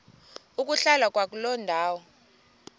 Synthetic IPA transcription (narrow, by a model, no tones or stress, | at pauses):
uk̬ʼuɬalwak̬ʼwak̬ʼulɔndʱaːwɔ